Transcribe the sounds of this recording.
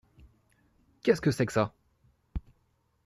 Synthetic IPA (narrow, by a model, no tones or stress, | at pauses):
kʲɛskəsɛksa